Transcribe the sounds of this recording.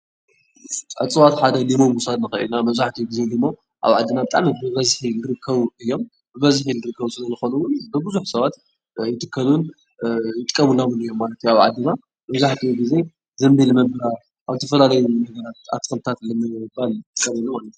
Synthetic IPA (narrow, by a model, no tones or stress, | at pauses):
ʕɨ̰t͡sʼɨwat̪ħad̪ɐlimo̞musad̪nɨxɐʔḭlnamɐβzaħt̪ʰiɡize̞limo̞ | ʔa̰βʕa̰d̪ːɨnabɨt̪ʼa̰mbɨβɐzħinɨɾɨkʰːɐβuɨjːo̞m | bɨβɐzħinɨɾɨkʰːɐβusɨlɐzɨxo̞nɐwʊnbɨbɨzuħsɐβat̪ | jɪt̪ʰɨkʰːɐlun | jɪt̪ʼɨkʼːɐmulːawɨnɨjːo̞mːalɐt̪ʰːjaβʕa̰d̪ːɨna | mɐβzaħt̪ʰiɡize̞ | zɐmbilmɐbɐɾa | ʔawt̪ʰɐfɐlalɐjunɐɡɐɾat̪̚a̰t̪ʰːɨ̥kɨlt̪ʰat̪lɨmɨbalʼɨkʼːɐmɐnːamalɐt̪u